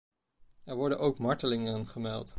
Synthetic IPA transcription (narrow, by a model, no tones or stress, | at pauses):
ɛɹʋɔɹdənʔowkmɑɹtəlɪŋənχəmɛlˠt